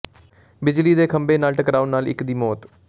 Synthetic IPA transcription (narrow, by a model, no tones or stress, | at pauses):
bɪd͡ʒliːd̪eːkʰəmbeːnaːlʈəkɾaːʊnaːlɪ̰kd̪iːmɔːt̪